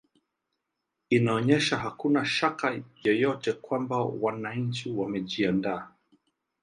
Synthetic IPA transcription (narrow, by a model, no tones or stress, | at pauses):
inaɔɲɛʃaɦakunaʃakajɔjɔtɛkwambawanaɲ̩t͡ʃiwamɛʄiandaː